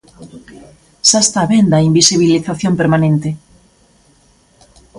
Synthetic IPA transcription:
sast̪aβend̪aimbisiβiliθaθjõmpeɾmanẽnt̪e

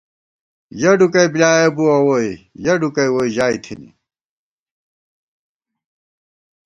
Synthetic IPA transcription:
jɐɖukɐibilaːjebuɐwojjɐɖukɐjwoiʑaːit̪ʰinḭ

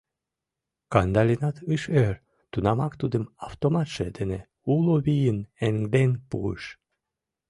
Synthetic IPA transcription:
kɑnd̪ɑlʲinɑt̪ɯʃøɾ | t̪unɑmɑkt̪ud̪əmɑft̪omɑt̪ʃed̪ene | uloβijəneŋɡd̪enpṵɯ̰ʃ

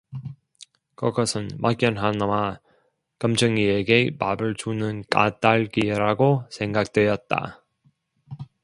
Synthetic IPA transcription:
kʌɡʌsʰɯnmʔa̰k͈jʌnɦanwa | kʌmd͡ʑɯŋieɡe̞mabɯɭt͡ɕunɯnk͈a̰t͈aɭɡiɾaɡosʰe̞ŋɡak̚t͈we̞jʌt̚t͈a̰

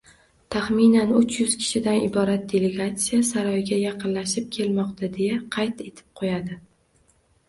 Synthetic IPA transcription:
t̪ʰaχminanʊt͡ʃjʊz̥kʲʰɪ̥ʃɪd̪anɪbɒɾat̪̚d̪ʲe̞le̞ɡat̪sijasaɾɒjɡʲajɑqɨnlaʃɪp̚kʲʰe̞lmɒqt̪ʰad̪e̞jaqʰɑjt̪e̞t̪ʰɪ̥p̚qʰojad̪ɪ

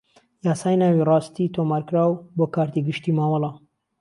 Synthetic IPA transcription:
jaːsaːjnaːwirɑːst̪it̪ʰoːmaːɾkɾaːwboːkaːɾt̪iːɡɨʃt̪iːmaːmɑlˠɑ

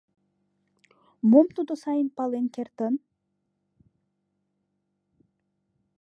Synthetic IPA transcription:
momt̪ud̪osajinpalˠenkʲert̪ən

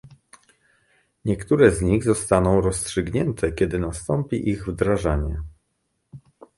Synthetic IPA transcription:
ɲɛkt̪uɾɛzɲiɣzɔst̪anɔ̃w̃ɾɔstʂɘɡɲɛnt̪ʰɛkʲɛd̪ɘnast̪ɔmpʲiʔiɣvd̪ɾaʐaɲɛ

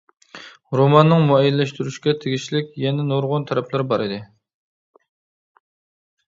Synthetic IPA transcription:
ɾomɑnːɨŋmuɛjilːɛʃt̪yɾyʃkʲɛt̪ʰeɡʲiʃlɪkʲjɛnɛnoɾʁʊnt̪ʰæɾɛpʰlɪɾbɑɾɪd̪ɪ

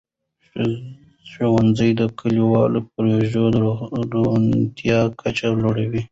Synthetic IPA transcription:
ʃowanzəjd̪əkʰəliwɑlop̚ɾoʒod̪unt̪jɑkʰat͡ʃaloɽawi

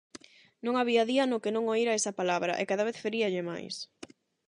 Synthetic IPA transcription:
nõŋaβiaðiɐnʊkenõŋoiɾaesɐpalaβɾɐ̰ʔekaðaβ̞eθfeɾiɐʎɪma̰js

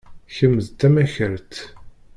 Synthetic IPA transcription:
çəmːəðt̪ːæmæçəɾt̪

